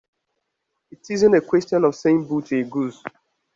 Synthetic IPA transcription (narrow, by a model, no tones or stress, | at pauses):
itizɪ̃nekwɛstjɔ̃nɔv̥sẽmbuteɡuz